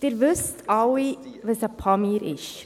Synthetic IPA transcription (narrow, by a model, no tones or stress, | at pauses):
d̥ɪːɾʋʉstʰɑwiʋəsəpʰɑmiːɾɪʃ